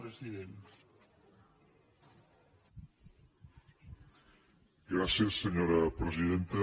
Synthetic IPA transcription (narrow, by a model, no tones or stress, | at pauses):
ɾesiðen | ɡɾasjesːeɲoɾapɾesiðent̪e